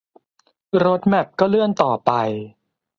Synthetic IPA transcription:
ɾo˦˥t̪̚mɛ˨˩p̚kɔː˥˩lɯ˥˩ənt̪ɔː˨˩pa˧j

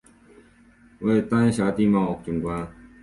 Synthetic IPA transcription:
we˥˩t̪a˥n˥ɕa˨˥t̪i˥˧ma˥˩˨k̚t͡ɕʊ˨˩kwa˥

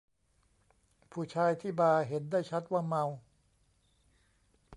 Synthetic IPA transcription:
pʰuː˥˩t͡ɕʰaː˧jt̪ʰiː˥˩baː˧ɦe˩˦ndaː˥˩jt͡ɕʰa˦˥t̪̚waː˥˩ma˧w

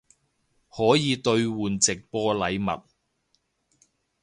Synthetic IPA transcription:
hɔː˨˥jiː˨˧t̪ɵ˧ɥwuː˨˩nt͡sɪ˨k̚pɔː˥lɐ˨jmɐ̰˨t̚

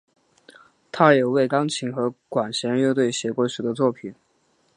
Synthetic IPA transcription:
t̪ʰa˥jo˨˩we˥˩ɪkɑ˥ŋt͡ɕʰi˧˥ŋxɤ˧˥kwa˨˩nɕjɛ˧˥njɛ˥˧ʊt̪we˥˩ɪɕjɛ˧˥kwɔ˧˥˩ʂu˨˩d̪ə˦t͡swɔ˥˩pʰi˨˩˦n

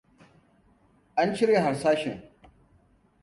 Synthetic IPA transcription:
ʔa˦nt͡ʃɪ˦ɾeː˨ɦa˨ɾsaː˦ʃɪ˨ŋ

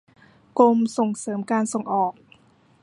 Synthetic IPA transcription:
ko˧mso˨˩ŋsɤː˩˦mkaː˧nso˨˩ŋʔɔː˨˩k̚

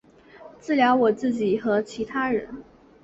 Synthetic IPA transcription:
t͡sɹ̩˥˩ljɑ˧˥ʊwɔ˨˩t͡sɹ̩˥˩t͡ɕi˨˩˦xɤ˧˥t͡ɕʰi˧˥t̪ʰa˥ɻə̰˧˥n

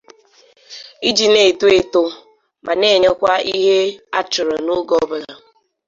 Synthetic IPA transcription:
i˦d͡ʒi˨ne˨tu˦e˨to˦ | mʔa˨ne˦˨ɲe˦kʷa˦i˦ɦe˦a˦t͡ʃʊ˨ɾɔ˨nʊ˦ɡɔ˦bʊ˦la˨

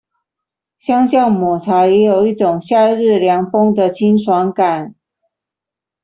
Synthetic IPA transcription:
ɕjɑ˥ŋɕɑ˥˩ŋmɔ˨˩t͡sʰa˧˥jɛ˧˥jo˨˩ʊi˥˩ʈ͡ʂʊ˨˩ŋɕja˥˧ɻɻ̩˥˩ljɑ˧˥ŋfʊ˥ŋd̪ə˨t͡ɕʰi˥nʂwɑ˧˥ŋka˨˩˦n

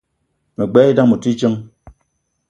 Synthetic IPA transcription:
me˨ɡ͡bɛ˦i˦da˦mu˨ti˦t͡ʃɨ˦ŋ

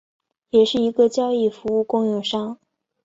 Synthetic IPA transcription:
jɛ˨˩ʂɻ̩˥˩i˧˥ɡə˧t͡ɕjɑ˥ʊi˥˩fu˧˥u˥˧kʊ˥˧ŋjʊ˥˩ŋʂɑ˥ŋ

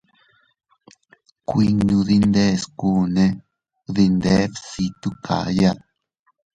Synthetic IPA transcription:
kʷi˧ɲũ˧ði˧nd̪e˦˨sku˦nẽ˦ | ði˧nd̪e˦βsi˧t̪u˦kʰa̰˨ja˦t̚

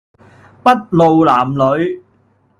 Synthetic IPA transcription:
pɐ˥t̚lo˨wlaː˨˩mlɵ˨˧ɥ

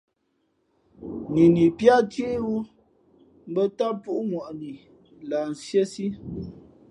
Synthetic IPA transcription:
ni˨ni˨pja˦tje˦wu˦ | m̩˦bə˦ta˦pu˦ʔu˦mwa˨ʔni˨ | laː˨n̩˨sje˦si˦

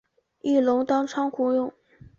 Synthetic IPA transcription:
i˥˩lʊ˧˥ŋt̪ɑ˥ŋʈ͡ʂʰɑ˥ŋkʰu˧˥jʊ˥˩ŋ

